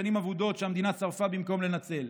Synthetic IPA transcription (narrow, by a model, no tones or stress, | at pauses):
animavud̪o̞t̪ʃeamd̪inat͡saʁfabimko̞mle̞nat͡se̞l